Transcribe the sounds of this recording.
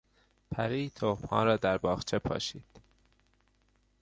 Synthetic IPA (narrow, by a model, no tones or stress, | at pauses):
pʰæɾiːt̪ʰomhɒ̰ːɾɒːd̪æɾbɒːxt͡ʃʰepʰɒ̰ːʃiːd̪̥